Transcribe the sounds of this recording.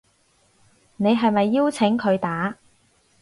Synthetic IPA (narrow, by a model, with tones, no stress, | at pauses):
ne˨˧jɦɐ˨jmɐ˨jːiː˥wt͡sʰɪ˨˥ŋkʰɵ˨˧ɥt̪aː˨˥